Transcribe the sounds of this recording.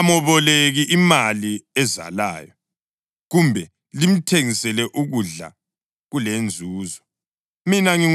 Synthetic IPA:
amɔβɔleɣiʔimaliɛza̰la̰ːjɔ | ɣumbʱɛ | lim̩tʰeŋisɛlɛʔuɣuɮa̰ | ɣulend͡zʱuːzɔ | minaŋi

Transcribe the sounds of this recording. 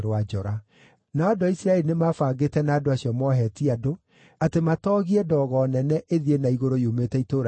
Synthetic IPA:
ɾwad͡ʒɔɾa | naːdoaisɾaɛɾinemaːfaɡetɛnaːdoasjɔmɔɦɛːtiado | atematɔːɣiɛdɔɣɔnɛnɛʔeðienaiɣoɾojumetɛitoːɾ

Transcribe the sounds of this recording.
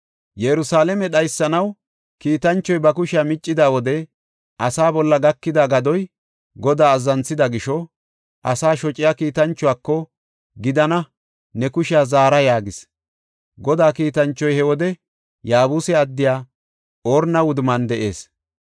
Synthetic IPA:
jɛɾʊsaːlɛmɛɗɐjsːɐnɐw | kiːt̪ɐnt͡ʃːɔjbɐkʊʃɪjaːmɪt͡ʃʼːɪd̪aːwɔd̪ɛ | ʔɐsaːbɔlːɐɡɐkːɪd̪aɡɐd̪ɔj | ɡɔd̪aːzːɐnsɪd̪ɐɡɪʃɔ | ʔɐ̰saːʃɔt͡ʃʼːɪjaːkiːt̪ɐnt͡ʃːʊaːkːɔ | ɡɪd̪ɐnɐ | nɛkʊʃɪjaːzaːɾɐjaːɡɪs | ɡɔd̪aːkiːt̪ɐnt͡ʃːɔjhɛwɔd̪ɛ | jaːbuːsɛɐd̪ːɪjaː | oːɾnɐwʊd̪ʊmɐnd̪ɛʔe̞ːs

